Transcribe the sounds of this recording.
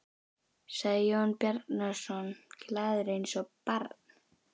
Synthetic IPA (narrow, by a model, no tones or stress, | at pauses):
saɣðɔnpjɛɾt̪nasɔnklaːðʏɾejnsɔpaɾt̪n̥